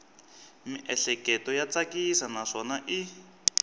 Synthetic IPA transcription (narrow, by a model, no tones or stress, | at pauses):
miʔɛɬɛkɛtɔjat͡sakisanaʂɔnaʔi